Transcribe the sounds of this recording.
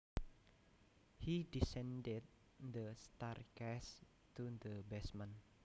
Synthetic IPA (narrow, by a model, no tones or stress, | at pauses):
hidisɛ̃ndɛd̚ | d̪əst̪arkɛs | tud̪əbɛsmãn